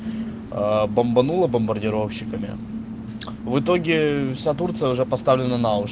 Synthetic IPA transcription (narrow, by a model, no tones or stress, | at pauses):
bəmbɐnulˠəbəmbərdʲɪɾo̞fɕːɪkəmʲɪ̰ | vɨt̪o̞ɡʲɪfsʲat̪̬urt̪sɨjəʊʐɛpɐst̪avlʲɪnənaʊ